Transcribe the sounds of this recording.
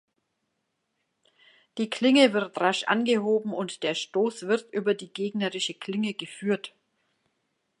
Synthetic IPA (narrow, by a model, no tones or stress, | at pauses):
d̥iːkʰl̥ɪŋəvɪʁtʁaʃʔa̰nɡəhoːbm̩ʊntd̥eːɐʃtoːsv̥ɪʁtʔyːbɐdiːɡeːɡnəʁɪʃəkʰl̥ɪŋəɡəfyːɐt